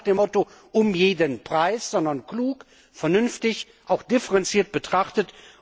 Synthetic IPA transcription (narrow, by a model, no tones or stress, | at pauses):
χd̥eːmɔto | ʔʊmjeːdənpʁ̥aɪsz̥ɔndɐnkluːk | fɛɐnʏnftɪç | ʔaʊxd̥ɪfəʁɛnt͡siːɐt̚b̥ətʁ̥aχtət